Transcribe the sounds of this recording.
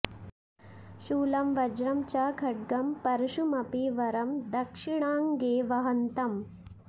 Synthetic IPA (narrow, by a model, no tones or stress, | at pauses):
ʃuːlɐmʋɐd͡ʒɾɐmt͡ʃaːɡʰʱɐʈ̚ɡɐmpɐɾɐʃumɐpiʋɐɾɐmd̪ɐkʂiɳaːŋɡeːʋɐɦɐnt̪ɐm